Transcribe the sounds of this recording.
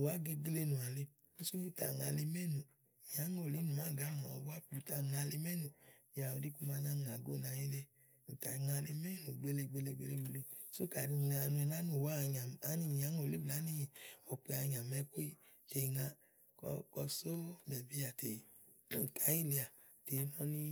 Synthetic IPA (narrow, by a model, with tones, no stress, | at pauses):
u˨wa˨˦ɡe˧ɡle˧nũ˨a˨le˧ | u˦su˦u˦˨ta̰˨ŋa˧le˧mɛ˦˨nũ˨ | ɲa˨˦ŋo˦˨li˨˦nũ˨ma˨˦˨ɡa˨˦˨a˨˦a˦pu˨˧˨ta˧˨ŋa˧le˧mɛ˦˨nũ˨ | ja˨o˨˧di˦ku˦ma˧nã˦˨ŋa˨ɡo˦˨na˧ji˦le˧ | u˨ta˨ŋa˧le˧mɛ˦˨nũ˨ɡ͡be˧le˧ɡ͡be˧le˧ɡ͡be˧le˧ɡ͡be˧le˧so˦ka˨ni˧na˧nũ˧ɛ˧na˦nu˦˨wa˦˧ɲa˨a˨˦ni˦˨ɲa˨˦ŋo˦˨le˦bla˨˦ni˦i˨o˨k͡pe˧a˧ɲã˨mɛ˧˦ko˦i˦ | te˨˧ŋã˧ | kɔ˧kɔ˧so˦bɛ˨bi˦a˨te˨˦˨ | ka˨˦ji˦le˧a˨ | te˨˧˦nɔ˦nĩ˦